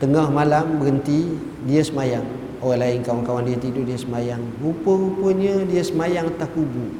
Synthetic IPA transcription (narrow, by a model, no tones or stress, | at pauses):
t̪əŋahmalambəɡənt̪i | diəsəmajaŋ | owalaɪŋkawaŋkawandiat̪idudiəsəmajaŋ | upəupəɲədiəsəmajaŋat̪akubu